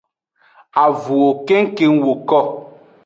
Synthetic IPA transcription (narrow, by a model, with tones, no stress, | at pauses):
a˨vu˨o˨ke˦ŋ̩˦ke˦ŋ˦wo˨kɔ˦˨